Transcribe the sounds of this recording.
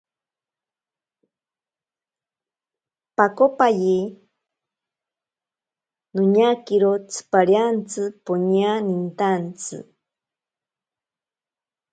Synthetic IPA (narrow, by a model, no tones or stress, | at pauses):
pakopaji | nuɲakiɾot͡sʰɨ̥paɾjant͡sɨpoɲianint̪ant͡sɨ̰